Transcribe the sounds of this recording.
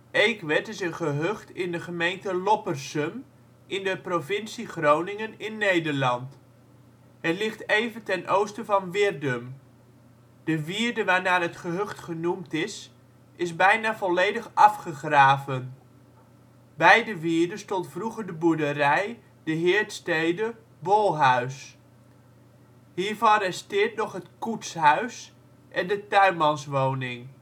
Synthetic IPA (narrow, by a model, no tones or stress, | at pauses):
ejkʋɛtɪsənχəɦøχtɪndəχəmejntəlɔpərsəm | ʔɪndəprovɪnsiχrownɪŋənɪnːejdəɹlɑnt | ɦətlɪχtejvəntɛnʔowstəvɑnʋɪrdəm | d̥əʋiːɹdəʋaːɹnaːɹɦətχəɦøχtχənumtɪs | ʔɪzbɛjnaːvɔlejdəχɑfχəχraːvən | bɛjdəʋiːɹdəstɔntfruχəɹdəbuədərɛj | d̥əɦɪːɹtstejdə | bolˠɦœɥs | ɦiːɹvɑnrɛstɪːɹtnɔχɦətkutsɦœɥs | ʔɛndətœɥmɑnsʋownɪŋ